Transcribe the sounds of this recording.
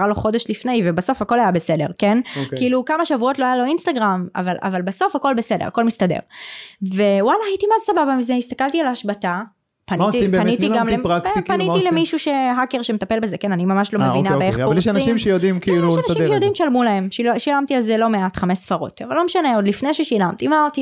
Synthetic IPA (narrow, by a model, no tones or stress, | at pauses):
aʁaloχo̞de̞ʃlifnejvebaso̞fhako̞lajabesedeʁkenokkiilukamaʃavuo̞tloajalo̞inst̪aɡʁama̰valʔa̰valbaso̞fako̞lbese̞deʁa̰ko̞lmist̪adḛʁve̞walaːjitimazsababamizeist̪akaltialhaʃbata | panitibpanitiɡamleʁakpanitilemiʃuʃe̞ɦake̞ʁʃemet̪ape̞lbezekenanimamaʃlo̞mmevinabeeχpjeʃanimʃejod̪imkiiluʃanaiʃejod̪imʃalmulae̞mʃiʃilamtialzelo̞meatχame̞sfaʁo̞̰tavalo̞meʃane̞o̞dlifnejʃeʃilamt̪imat̪i